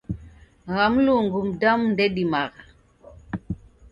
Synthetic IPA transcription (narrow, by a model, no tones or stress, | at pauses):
ɣamluŋɡumdamndeɗimaɣ